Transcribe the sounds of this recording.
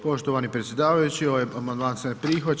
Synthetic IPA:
po̞ʃt̪oʋaːnipɾet̪sʲje̞d̪aːʋajut͡ɕiojamand̪mansenpɾiːxo

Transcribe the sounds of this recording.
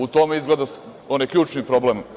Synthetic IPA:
ut̪o̞meizɡled̪as | onijkʎʲuːt͡ʃnipɾoblem

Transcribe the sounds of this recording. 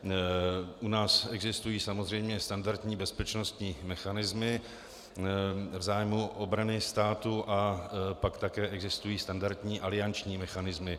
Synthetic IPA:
ʔunaːsɛɡzɪst̪ujiːsamozr̝ɛjmɲɛst̪andaɾt̪ɲiːbɛspɛt͡ʃnost̪ɲiːmɛxanɪzmɪ | vzaːjmuʔobɾanɪst̪aːt̪uʔapakt̪akɛːʔɛɡzɪst̪ujiːst̪andaɾt̪ɲiːʔalɪant͡ʃɲiːmɛxanɪzmɪ

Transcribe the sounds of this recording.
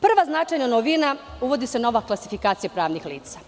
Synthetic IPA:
pr̩ʋaznat͡ʃajɲonoʋina | uʋo̞d̪iseno̞ʋaklˠasi̥fikaːt̪sijapɾaːʋnixlḭːt̪sa

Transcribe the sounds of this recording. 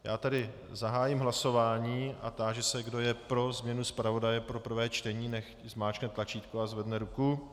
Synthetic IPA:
jaːt̪ɛdɪ | zaɦaːjɪmɦlaso̞vaːɲiːa̰t̪aːʒɛsɛɡdo̞jɛpɾo̞zmɲɛnuspɾavo̞dajɛpɾo̞pr̩vɛːt͡ʃt̪ɛɲiːnɛx | zmaːt͡ʃknɛt̪lat͡ʃiːt̪kuazvɛdnɛɾuku

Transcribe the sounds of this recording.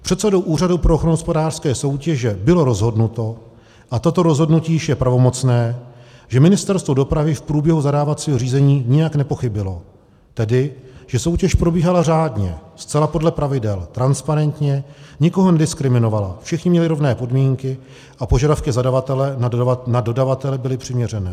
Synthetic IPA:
pr̥ɛt̪sɛdo̞wʔuːradupɾooxɾonɦospo̞daːr̥skɛːso̞wcɛʒɛbɪlo̞ɾo̞zɦo̞dnut̪o̞ | ʔat̪o̞t̪o̞ɾo̞zɦo̞dnuciːjɪʃjɛpɾavo̞mo̞t͡snɛːʒɛmɪnɪst̪ɛɾst̪vo̞do̞pɾavɪfpɾuːbjɛɦuzadaːvat͡siːɦoriːzɛɲiːɲɪjaknɛpo̞xɪbɪlo̞ | t̪ɛdɪʒ̥ɛso̞wcɛʃpɾo̞biːɦalar̝aːdɲɛst͡sɛlapo̞dlɛpɾavɪdɛlt̪ɾanspaɾɛnt̪ɲɛɲɪko̞ɦo̞nɛdɪskɾɪmɪno̞valafʃɛxɲɪmɲɛlɪɾo̞vnɛːpo̞dmiːŋkɪ | ʔapo̞ʒadafkɪzadavat̪ɛlɛanado̞davat̪ɛlɛbɪlɪpr̝̥ɪmɲɛr̝ɛnɛː

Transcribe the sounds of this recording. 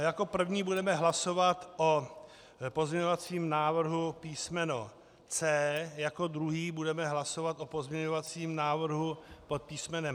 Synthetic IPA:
jako̞pr̩vɲiːbudɛmɛɦlaso̞vat̪ʔo | pozɲɛɲovat͡siːmnaːvr̩ɦupiːsmɛno | t͡sɛːjako̞d̪ɾuɦiːbudɛmɛɦlaso̞vat̪ʔopo̞zmɲɛɲovat͡siːmnaːvr̩ɦupot̪̚piːsmɛnɛm

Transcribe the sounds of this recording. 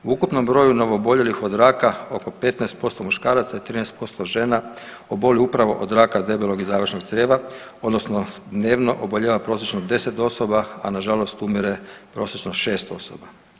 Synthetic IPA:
uukupno̞mbɾo̞ːjuno̞ʋoːbo̞ʎe̞lixod̪ɾaːkao̞ko̞pe̞t̪naest̪̚po̞st̪o̞muʃkaːɾat̪sait̪ɾiːnɛst̪po̞st̪o̞ʒe̞ːna | obo̞liupɾaʋo̞̰ʔod̪ɾaːkad̪e̞beloɡizaːʋərʃnoɡ̪sɾeːʋa | o̞d̪no̞sno̞d̪ne̞ːʋnoʔoboʎeʋapɾo̞ːs̬jet͡ʃnod̪e̞se̞t̪o̞sobaa̰naʒalˠo̞st̪umiɾepɾo̞ːsjet͡ʃnoʃe̞ːst̪o̞so̰ba

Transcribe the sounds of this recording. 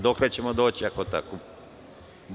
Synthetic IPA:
d̪oklet͡ɕemod̪oːt͡ɕiakot̪a̰ko | b

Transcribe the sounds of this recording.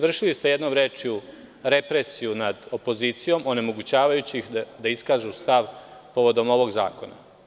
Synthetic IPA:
ʋr̩ʃilist̪e̞je̞d̪no̞mɾeːt͡ʃiu | ɾe̞pɾesijunad̪o̞po̞ziːt̪sijo̞mo̞ne̞mo̞ɡut͡ɕaːʋajut͡ɕixd̪aiskaːʒust̪aʋpo̞ʋo̞d̪o̞mo̞ʋo̞ɡza̰ːko̞na̰

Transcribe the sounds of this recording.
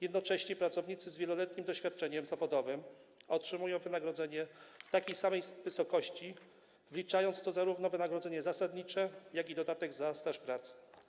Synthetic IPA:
jɛd̪nɔt͡ʂɛɕɲɛpɾat̪sɔvɲit̪sɘzvʲjɛlɔlɛt̪ɲimd̪ɔɕfʲjat̪̚t͡ʂɛɲɛmzavɔd̪ɔvɘmɔtʂɘmujɔ̃w̃vɘnaɡɾɔd̪zɛɲɛft̪akʲejsamɛjvɘsɔkɔɕt͡ɕi | vlʲit͡ʂajɔnt̪st̪ɔzaɾuvnɔvɘnaɡɾɔd̪zɛɲɛzasad̪ɲit͡ʂɛjaɡʲid̪ɔd̪at̪ɛɡzast̪aʂpɾat̪sɛ̥

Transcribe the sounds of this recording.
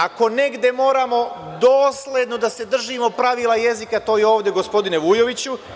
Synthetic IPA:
ako̞ne̞ɡd̪e̞mo̞ːɾamo̞d̪oːslʲe̞d̪no̞d̪ase̞d̪r̩ʒimo̞pɾaʋiːlˠaje̞zikat̪o̞ːjeo̞ːʋd̪je̞ɡo̞spo̞d̪ineʋujo̞ʋit͡ɕu

